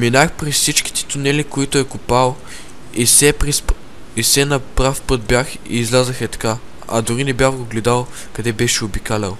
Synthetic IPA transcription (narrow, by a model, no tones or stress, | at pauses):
minaxpɾɛssit͡ʃki̥t̪ɛ̥t̪ʊnɛlikoit̪ʊɛkʊpalˠ | isɛpɾs | isɛnɐpɾafpɤt̪̚bjax | ḭːzlʲazɐxɛt̪ka | ɐ̰d̪ʊɾinɛbʲjaxɡoɡlɛd̪alˠ | kɐd̪ɛbɛʃɛobikalɛlˠ